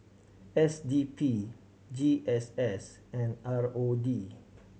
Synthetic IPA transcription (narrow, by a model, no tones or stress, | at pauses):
ɛsdiːpʰi | d͡ʒiːʔɛsɛsɛ̃naɹoːdiː